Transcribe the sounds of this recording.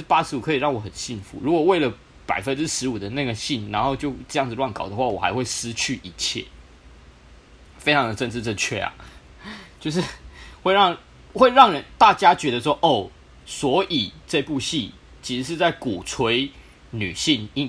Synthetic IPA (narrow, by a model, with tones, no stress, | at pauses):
pa˦˥ʂɻ̩˧˥u˨˩kʰɤ˧˥i˨˩ɻɑ˥˩ŋwɔ˨˩˦xə̰˨˩nɕi˥˩nfṵ˨˦ɻu˧˦˥kwɔ˨˩we˥˩ɪlə˩ | pa˨˩ɪfə˦nʈ͡ʂɻ̩˥ʂɻ̩˧˥u˨˩d̪ə˦na˥˩ɡə˩ɕi˥˩nna˧˦nxo˥˧ʊt͡ɕjo˥˧ʊʈ͡ʂɤ˥˧jɑ˥˩ŋd͡zz̩˩lwa˥˩nkɑ̰˨˩ʊd̪ə˦xwa˥˩wɔ˨˩xa̰˧˥ɪxwe˥˩ɪsɹ̩˦t͡ɕʰy˥˩ʔi˧˥t͡ɕʰjɛ̰˥˩ | fe˥ɪʈ͡ʂʰɑ˧˦ŋd̪ə˨˩ʈ͡ʂə˥˧nʈ͡ʂ̩˥˧t͡sɤ˥˧t͡ɕʰɥɛ˥˩a̰˨˩ | t͡ɕjo˥˧ʊʂ̬ɻ̩˥˨xwe˥˧ɪɻɑ˥˨ŋ | xwe˥˧ɪɻɑ˥˩ŋɻə˧˦nt̪a˥˨t͡ɕja˥t͡ɕɥɛ˧˥d̪ə˧ʂwɔ˥ʔo˥˩ʊ | swɔ˧˥ʔi˨˩ʈ͡ʂɤ˥˧i˧pu˥˧ɕi˥˩ | t͡ɕʰi˧˥ʂɻ̩˧˥ʂ̬ɻ̩˥˧t͡sa˥˩ɪku˨˩t͡sʰwe˧˦ɪ | ny̰˨˩ɕi˥˩ni˥